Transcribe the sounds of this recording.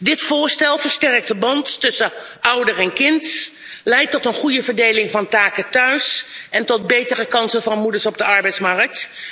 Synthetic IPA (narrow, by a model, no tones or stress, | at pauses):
dɪtfʊːɹstɛlˠvəɹstɛɹktəbɑntːɵsə | ʔʌwdəɹɛnkɪnt | lɛjtɔtənχujəvəɹdejlɪŋvɑntaːkətœɥsɛntɔt̚bejtərəkɑnsəvɑnmudəɹsɔb̚dəʔɑɹbɛjtsmɑɹk̚t